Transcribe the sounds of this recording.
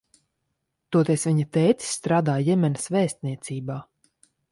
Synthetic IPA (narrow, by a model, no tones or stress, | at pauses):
t̪uɔt̪ɛsvʲiɲat̪ɛjt̪si̥sːt̪ɾaːd̪aːjɛmʲɛnɐsvɛːsʲt̪ʲniɛt̪siːbaː